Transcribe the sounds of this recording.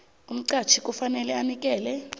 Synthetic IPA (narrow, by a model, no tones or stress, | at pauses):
um̩ǀat͡ʃʰikʼufanɛlɛanik̬ʼɛːlɛ